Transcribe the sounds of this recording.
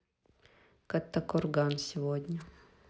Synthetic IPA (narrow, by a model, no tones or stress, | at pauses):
kɐt̪ːɐkɔrɡansʲɪvod̪ʲnʲə